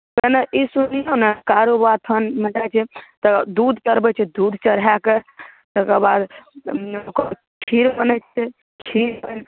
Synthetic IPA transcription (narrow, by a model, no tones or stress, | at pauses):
kənəʔisunijonekaɾobat̪ʰənmed͡ʒat͡ʃʰɛt̪əd̪ud̪ʱt͡ʃəɾbɛt͡ʃʰɛd̪ud̪ʱt͡ʃəɾɦake | t̪əkəbad̪ | ok | kʰiɾbənət͡ʃʰɛ | kʰiɾbən